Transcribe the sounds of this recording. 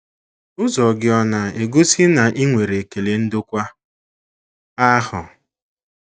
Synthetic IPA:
ʊ˦zɔ˨ɡɪ˦ɔ˦na˨e˨ɡu˦si˦na˨ʔi˦ŋʷe˨ɾe˨ke˨le˨n̩˦dʊ˦kʷa˦ | a˦hʊ˨

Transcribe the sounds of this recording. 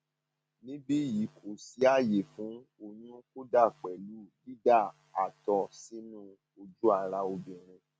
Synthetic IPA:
nĩ˨˦bi˦ji˨˦kʰo˨si˨˦a˦˨je˨fũ˨˦o˧ɲũ˦ko˦da˦˨k͡pɛ˨lu˨˦li˦da˦˨ | a˨tɔ˨si˨˦nũ˦ | o˧d͡ʒu˦a˧˨ɾa˧o˧bĩ˨ɾ̃ĩ˧

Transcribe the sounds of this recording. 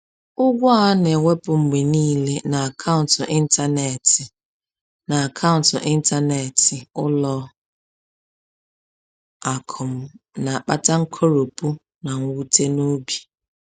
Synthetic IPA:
ʊ˦ɡʷʊ˦a˦ne˨wʷe˦pʊ˨ŋ͡m̩˨ɡ͡be˨niː˦le˦na˨a˨kʰa˦ʊ̃˨ntʊ˨ʔɪ˦n̩˦ta˦ne˨tɪ˨ | na˨a˨kʰa˦ʊ̃˨n̩˨tʊ˨ʔɪ˦n̩˦ta˦ne˨tɪ˨ʊ˦lɔ˦ | a˨kʰʊ˨m̩˦na˨a˨k͡pa˦ta˦ŋ̩˦kʰo˦ɾo˨pu˦ | na˨ŋ̩˦wu˦te˦no˦bi̥˨

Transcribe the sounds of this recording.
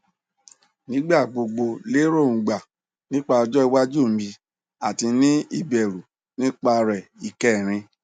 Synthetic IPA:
nĩ˦ɡ͡ba˦˨ɡ͡bo˧ɡ͡bo˧le˦ɾo˦˨ũ˨ɡ͡ba˨ | nĩ˦k͡pa˧ɔ˧d͡ʒɔ˦i˧wa˦d͡ʒu˦˨m̩˨mi˧ | a˨ti˧nĩ˦i˦˨bɛ˨ɾu˨ | nĩ˦k͡pa˧ɾɛ˨i˨kɛ˦˨ɾ̃ĩ˧

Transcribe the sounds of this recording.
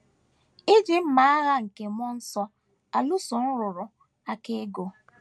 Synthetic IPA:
ɪ˦d͡ʒi˦m̩˦ma˨˦a˦ɣa˦ŋ̩˨ke˨m˦ɔ˦n̩˦sɔ˦ | a˨lu˦sʊ˨n̩˦ɾʊ˨ɾʊ˨ | a˦ke˦ɡo˨

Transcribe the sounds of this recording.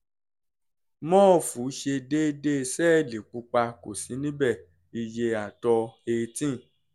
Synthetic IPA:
mɔ̃ː˦˨fu˨˦ʃe˧de˦de˦˧sɛː˦˨li˨k͡pu˨˧˦k͡pa˧ko˨si˨˦nĩ˦bɛ˦˨ | i˨je˧a˨tɔ˧e˧tĩ˦˨

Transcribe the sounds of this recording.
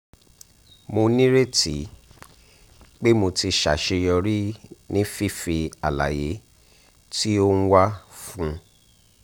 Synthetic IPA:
mo˧nĩ˦ɾe˦ti˨˦ | k͡pe˦mo˧ti˧ʃa̰˨ʃe˧jɔ˧ɾi˦nĩ˦fi˦fi˧a˨la̰˨je˨˦ | ti˦o˦ñ̩˦wa˦fũ˦˧

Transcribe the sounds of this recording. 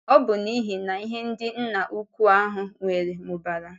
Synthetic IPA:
ɔ˦bʊ˨ni˦ɦi˨na˨i˦ɦe˦n̩˦dɪ˦n̩˦na˨ʔu˦kʷu˦a˦ɦʊ˨ŋʷe˨ɾe˨mʊ˨ba˨ɾa˨

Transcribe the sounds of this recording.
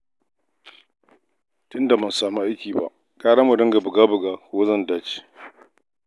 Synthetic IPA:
tʊ˦nda˨mɐ˦nsaː˨mu˦ʔa˦jkʲiː˨ba̰˨ʔ | kʼaː˦ɽa˦mu˨dɪ˦ŋɡa˨bʊ˨ɡaː˦bʊ˨ɡaː˦ko˦zɐ˦ndaː˦t͡ʃi̥˨

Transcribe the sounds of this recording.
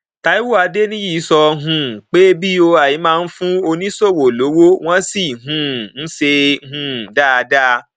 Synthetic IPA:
ta˨˦i˦wu˦˨a˧de˦nĩ˦ji˦˨˦sɔ˧ɦũ˨k͡pe˦bi˦o˧a˨ji˨˦mãː˦˧n̩˦fũ˦o˧nĩ˦so˦˨wo˨lo˨˦wo˦w̃ɔ̃˦si˦˨ɦũ˨˦˨n̩˦ʃe˧˦ɦũ˧˨da˦˨˧da˦˧

